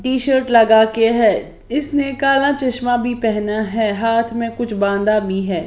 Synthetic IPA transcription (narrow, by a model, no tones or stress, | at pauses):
ʈiːʃəɾʈlɐɡakeɦɛː | ɪsnekaːlãt͡ʃɐʃmabʱipɛɦnaɦɛːɦaːt̪ʰmẽkʊt͡ʃʰbãːnd̪abʱiɦɛː